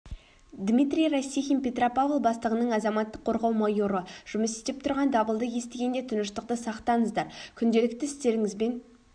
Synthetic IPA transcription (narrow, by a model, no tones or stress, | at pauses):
d̪mʲit̪rʲijrasʲːixʲimpʲe̞t̪ropavlˠbɑst̪əʁənəɴɑzɑmɑt̪ːəqʰːo̞ɾʁɑwmɑjuɾəʒ̥ʊməsɪt̪ɪp̚t̪ʰʊɾʁɑnd̪ɑbəlˠd̪əje̞st̪ɪɡʲe̞nd̪e̞t̪ʰʊnəʃt̪əq̚t̪əsɑqt̪ɑɴəzd̪ɑɾkʲʰʏnd̪e̞lɪk̚t̪ɪɪst̪e̞ɾɪŋɪzbe̞n